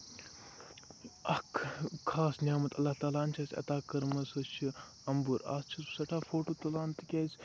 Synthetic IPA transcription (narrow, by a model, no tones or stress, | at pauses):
ɐkʰkʰaːsnʲjaːmɐt̪ɐlːaht̪aːlaːnt͡ʃʰɐːsʲɐ̰t̪aːkɐɾmɐsɐt͡ʃʰi | ɐmbuɾa̰ːst͡ʃʰisusɐʈʰaːfoːʈoːt̪ɐlaːnt̪ɨkʲeːzʲ